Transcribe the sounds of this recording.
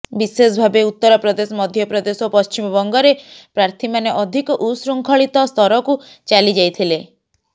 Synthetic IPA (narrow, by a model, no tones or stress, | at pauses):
bisesbʱabeut̪ːɔɾɔpɾɔd̪esɔmɔd̪ʱjɔpɾɔd̪esɔpɔst͡ʃimɔbɔŋɡɔɾepɾaɾt̪ʰimaneʔɔd̪ʱikɔʔusɾuŋkʰɔɭit̪ɔst̪ʰɔɾɔku | t͡ʃalid͡ʒajt̪ʰile